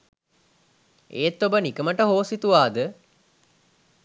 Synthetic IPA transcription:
ḛːt̪ːobənikəməʈəɦoːsit̪uʋaːd̪ə

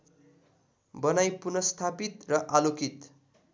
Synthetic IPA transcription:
bʌnajpunʌst̪ʰapit̪rʌʔalokit̪

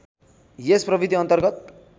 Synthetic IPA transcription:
jesprʌbid̪ʱiʌnt̪ʌrɡʌt̪̚

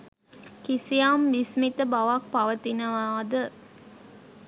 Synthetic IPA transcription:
kisijambismit̪əbaʋak̚paʋət̪inəʋaːd̪ə

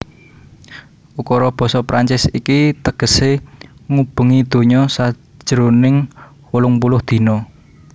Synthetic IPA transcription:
ʔukɔɾɔb̥ɔ̤sɔpɾaɲt͡ʃɪsikit̪əɡ̥əseŋub̥ə̤ŋid̪̥o̤ɲɔsḁ | ʒ̥əɾonɪŋ | wulʊŋpulʊhd̪̥i̤nɔ

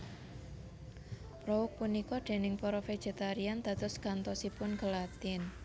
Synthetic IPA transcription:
pɾɔwʊk̚punikɔɖ̪̥e̤nɪŋpɔɾɔfe̥d͡ʒ̥e̤t̪aɾiand̪̥ä̤t̪ʊskant̪ɔsipʊnkəlat̪ɪn

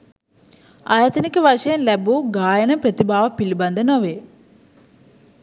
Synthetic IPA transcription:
aːjat̪ɐnikɐʋaʂɐjɐnlɛbuɡaːjɐnɐpɾɐt̪ibʱaːʋɐpilibɐnd̪ʱɐnɐʋe

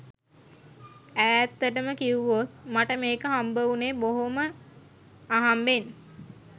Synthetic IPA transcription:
æːt̪ːəʈəməkiuʋot̪̚maʈəmeːkəɦambəʋuneːboɦomə | aɦamben

